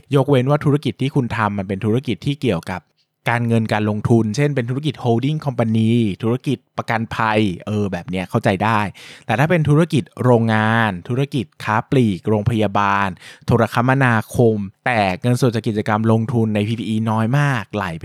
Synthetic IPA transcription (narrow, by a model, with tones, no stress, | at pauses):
jo˦˥k̚we˧nwaː˥˩t̪ʰu˦˥ɾa˥˩ki˨˩t̪ʰːiː˥˩kʰu˧nt̪ʰa˧mːa˧npe˧nt̪ʰu˦˥ɾa˥˩ki˨˩t̪ʰːiː˥˩ki˨˩əwka˨˩p̚ | kaː˧nŋɤ˧nkaː˧nlo˧ŋt̪ʰu˧nt͡ɕʰe˥˩npe˧nt̪ʰu˦˥ɾa˥k̬i˨˩t̪̚hoː˧wdi˥˩ŋkʰɔ˧mpa˧niː˧t̪ʰu˦˥a˥˧˩ki˨˩t̪̚pa˧ka˧npʰa˧jʔɤː˧bɛː˨˩p̚ni˦˥ɐkʰa˥˩wt͡ɕa˧jdaː˥˩jt̪ɛː˨˩t̪ʰaː˥˩pe˧nt̪ʰu˦˥ɾa˥˩ki˨˩t̪̚ɾoː˧ŋːaː˧nt̪ʰu˦˥ɾa˧˩ki˨˩t̪̚kʰaː˦˥pliː˨˩k̚ɾoː˧ŋpʰa˧jaː˧baː˧nt̪ʰoː˧ɾa˧kʰa˦˥mːa˧naː˧kʰo˧mt̪ɛː˨˩ŋɤ˧nso˨˩t͡ɕaː˨˩ki˨˩t͡ɕa˧ka˧mlo˧ŋt̪ʰu˧nːa˧jpʰiː˧pʰiː˧ʔiː˧nɔː˦˥jmaː˥˩k̚la̰˩˦j